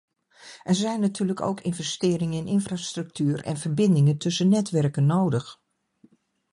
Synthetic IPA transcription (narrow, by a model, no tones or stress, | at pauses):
ʔɛɹzɛjnːatyːləko̰wkɪnvɛstɪːɾɪŋəɪnɪnfraːstrɵk̚tyːɹɛ̰nvəɹbɪndɪŋəntɵsənɛtʋɛɹkənːowdəx